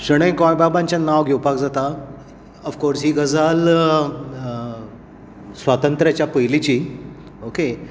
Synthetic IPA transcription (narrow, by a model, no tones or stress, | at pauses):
ɕəɽ̃ə̃jkɔ̃jbabãɲt͡ɕjanaʋɡʱewpakd͡zat̪a | əfkɔɾsɦiːɡəd͡zal | sʋat̪ənt̪ɾjat͡ɕjapəjlit͡ɕiː | oke